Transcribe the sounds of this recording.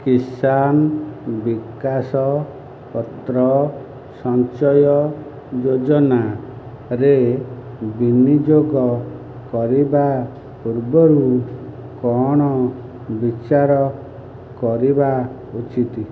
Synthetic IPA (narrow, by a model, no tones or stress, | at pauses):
kisanbikasɔ | pɔt̪ɾɔ | sɔnt͡ʃɔjɔ | d͡ʒod͡ʒɔna | ɾe | binid͡ʒoɡɔ | kɔɾiba | puɾbɔɾu | kɔɽ̃ɔ | bit͡ʃaɾɔ | kɔɾiba | ut͡ʃit̪i